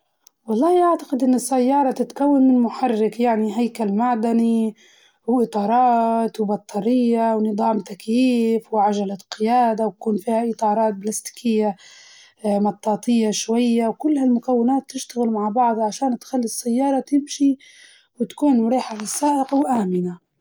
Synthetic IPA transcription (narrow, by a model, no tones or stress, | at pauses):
wɑlˤːɑːhʔaʕt̪ḁqɪd̪ʔɪnːɪsːajːɑːɾˤɑt̪ɪt̪kawːanmɪnmʊħarːɪkjaʕniɦajkalmaʕd̪ani | wʔɨt̪ˤɑːɾˤɑːt̪wbɑt̪ˤʰːɑɾɪjːawnɨðˤɑːmt̪akjiːfwɪʕaʒalaqɪjaːd̪awt̪ḁkuːnfiːhaʔɨt̪ˤɑːɾˤɑːt̪̚blast̪ɪ̥kʰɪjːa | mɑt̪ˤːɑːt̪ɪjːaʃwajːawkʊlːhalmʊkawːɪnaːt̪ːɪʃt̪aɣɪlmaʕbɑʕd̪ˤʕaʃaːnt̪xalːisːajːɑːɾˤɑt̪ɪmʃi | wɪt̪ḁkuːnmɾiːħafɪsːaːʔɪqwʔaːmɪna